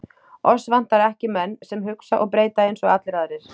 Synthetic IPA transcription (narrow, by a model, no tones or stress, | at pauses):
ɔsvan̥t̪aɾɛhcɪmɛnːsɛmɦʏksaʔɔɣpɾeːjt̪aejnsɔɣat̪lɪɾaðɾɪɾ̥